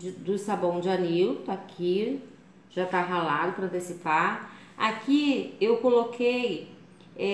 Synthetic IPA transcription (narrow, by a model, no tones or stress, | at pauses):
d̪ʊsabõw̃d͡ʒɪaniwt̪akʰi | ʒ̥at̪aɦalad̪ʊpɾɐ̃nt̪esipaɾ | a̰kiewkolokʰej | ɛ